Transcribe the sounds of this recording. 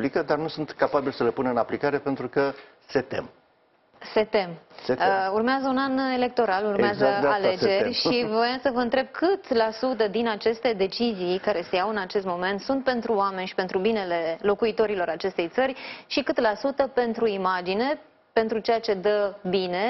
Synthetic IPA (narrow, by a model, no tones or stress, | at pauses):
plikəd̪arnusunt̪kapabilsəle̞punəɨnaplikaɾe̞pe̞nt̪ɾukə | se̞t̪ḛm | se̞t̪e̞mseurmeazəunane̞le̞k̚t̪o̞ɾalurmeazəzale̞e̞ɾʲʃivojasəvəɨnt̪ɾe̞b̚kʰɨt̪lasut̪əd̪inat͡ʃe̞st̪e̞d̪e̞t͡ʃizijkaɾe̞se̞jawɨnat͡ʃe̞st̪mo̞me̞nt̪sunt̪̚pe̞nt̪ɾuoame̞nʲʃi̥pe̞nt̪ɾubine̞le̞lo̞kuit̪o̞ɾilo̞ɾat͡ʃe̞st̪e̞jt̪sərʲʃikɨt̪lasut̪əpe̞nt̪ɾuimad͡ʒine̞ | pe̞nt̪ɾut͡ʃe̞jat͡ʃe̞d̪əbine̞